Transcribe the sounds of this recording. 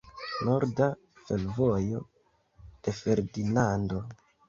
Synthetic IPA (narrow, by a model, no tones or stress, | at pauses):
no̞ɾda | fe̞lvo̞jo̞̰ | d̥e̞fe̞ɾdinando̞